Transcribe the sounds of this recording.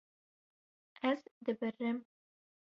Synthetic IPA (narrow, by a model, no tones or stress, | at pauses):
ɛzd̪ɨbɨrɨm